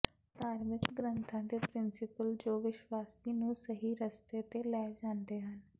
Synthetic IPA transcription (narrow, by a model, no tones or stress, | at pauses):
t̪aːɾmɪkɡɾənt̪ʰãːd̪eːpɾɪnsɪpəld͡ʒoːʋɪʃwaːsiːnũːsəɦiːɾəst̪eːt̪eːlɛːd͡ʒãːnd̪eːɦən